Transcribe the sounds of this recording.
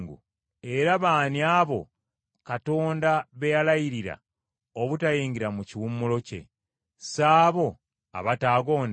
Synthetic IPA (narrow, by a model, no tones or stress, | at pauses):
ŋɡṵ | e̞ɾaβaːniaːβo̞ | kato̞ːndaβe̞jalajiɾiɾa̰ | oβutajiːŋɡiɾamuciwumːulo̞ce̞̰ | saːβo̞ | a̰βataːɡo̞ːn